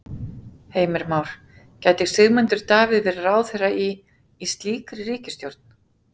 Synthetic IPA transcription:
heːjmɪɾmawɾ̥ | caːjt̪ɪɣ̥sɪɣmɛnt̪ʏɾ̥t̪aːvɪðvɪɾraːwθejraiː | st̪liːkɾɪɾiːcɪst̪jowɾt̪̚n̥

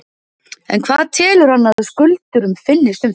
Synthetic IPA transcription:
ɛ̰nkʰvaːðt̪ʰɛːlʏɾ̥hanːaðskʏlt̪ʏɾʏmfɪnːɪst̪ʏm

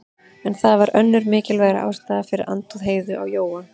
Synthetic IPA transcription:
ɛnθaðvaɾʔœnːʏɾmɪːcɪlvɛːɣɾa̰ʔa̰ːwst̪aːðafɪɾɪ̰ɾʔa̰nt̪ɔðɦeːjðʏʔawjoːwa

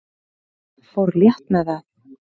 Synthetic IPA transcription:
fowɾljɛht̪nɛðað

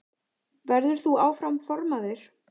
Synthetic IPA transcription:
vɛɾðʏɾ̥θuaːwfɾamfɔɾmaðɪɾ̥

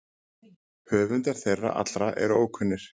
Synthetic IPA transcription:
hœːvʏnt̪aɾ̥θejrːa̰ʔa̰t̪ɾaʔɛ̰ɾoːwkʰʏnːɪɾ̥

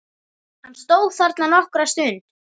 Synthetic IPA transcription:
hanst̪oːwðθaɾt̪lanɔhkɾast̪ʏːn

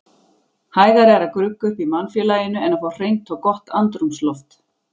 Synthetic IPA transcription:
haːjðaɾɛɾakɾʏkːʏhpimanfjɛlaːjɪnʏɛnafaw̥r̥ejŋt̪ɔkɔht̪ant̪ɾumslɔft̪

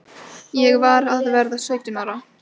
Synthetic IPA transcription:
jɛɣvaɾaðvɛɾðasœɥt̪ɪnaɾa

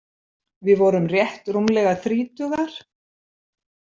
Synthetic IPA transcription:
vɪðvɔɾʏmrjɛht̪rumlɛːɣaθɾiːt̪ʏɣaɾ̥

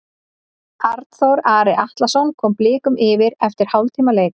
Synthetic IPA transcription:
aɾt̪θowɾaːɾɪʔaht̪lasɔnkʰɔːmplɪːkʏmɪːvɪɾɛft̪ɪɾ̥hawlt̪ʰiːmaleːjk

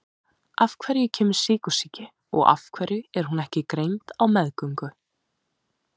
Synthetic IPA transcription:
afkʰvɛɾjɪcʰɛːmɪɾ̥siːkʏ̥sicɪ | ɔ̰ɣa̰fkʰvɛɾjʏɛɾ̥hunɛhcɪkɾejnt̪awmɛðkʏŋkʏ

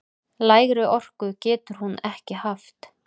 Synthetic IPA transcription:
laːjɣɾɪʔɔr̥kʏcɛːt̪ʏɾ̥hunɛhcɪhaft̪

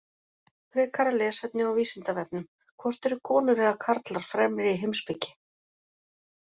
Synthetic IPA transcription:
pɾɪːkʰaɾalɛːsɛt̪nɪawviːsɪnt̪avɛp̚nʏm | kʰvɔr̥t̪ɛɾʏkʰɔːnʏɾɛːɣakʰaɾt̪laɾ̥fɾɛːmɾɪiɦejmspɪcːɪ̥

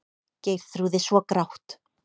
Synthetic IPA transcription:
ceːjɾ̥θɾuðɪsvɔkɾawht̪

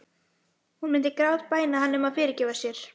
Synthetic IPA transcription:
hunmɪnt̪ɪkɾawt̪paːjnahɦanːʏmaðfɪːɾɪɾcɛːvasjɛɾ̥

